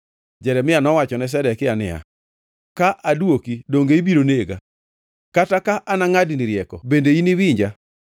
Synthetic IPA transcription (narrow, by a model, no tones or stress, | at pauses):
d͡ʒɛɾɛmɪanɔwat͡ʃɔnɛs̬ɛdɛkɪanɪa̰ | kaʔadwokidoŋɡeibiɾoneɡa̰ | katakaʔanaŋadinɪɾjɛkɔbendeiniwiɲd͡ʒa